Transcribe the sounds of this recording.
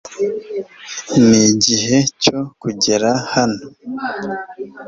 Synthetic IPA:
niɟiɦe̞co̞kuɟe̞ɾahano

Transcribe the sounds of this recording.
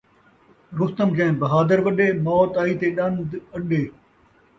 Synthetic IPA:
ɾʊxt̪əmkɛ̃ːbɐɦaːd̪əɾʋɐɗeːmɔːt̪aːiːt̪eːɗɐ̃nd̪ɐɗeː

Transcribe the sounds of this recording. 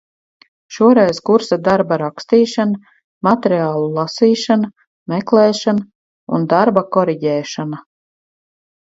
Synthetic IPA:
ʃuɔɾɛjzkuɾsad̪aɾbaɾakst̪iːʃana | mat̪eɾiaːlˠulˠasiːʃana | mɛklˠɛːʃana | ṵnd̪aɾbakɔɾiɟɛːʃana

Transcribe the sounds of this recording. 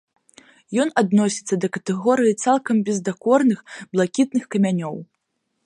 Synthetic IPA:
jɔnad̪nɔsʲit̪sːɐd̪ɐkɐt̪ɛɣɔɾɨjit̪salˠkɐmbʲɛzd̪akɔrnɨxblˠakʲit̪̚nɨxkɐmʲanʲɔw

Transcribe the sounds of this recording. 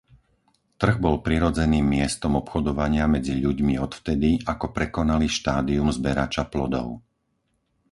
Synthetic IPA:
t̪r̩ɣbɔlpɾiɾɔd͡zɛniːmːɪɛst̪ɔmɔpxɔd̪ɔʋaɲɪamɛd͡ziʎuɟmiɔt̪ft̪ɛd̪iakɔpɾɛkɔnaliʃt̪aːd̪iumzbɛɾat͡ʃaplɔd̪ɔ̰ʊ

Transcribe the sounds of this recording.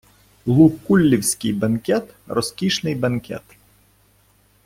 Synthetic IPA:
lˠupkulʲːiwsʲkɪjbɐnkʲɛt̪rɔskʲiʃnɪjbɐnkʲɛ̰t̪

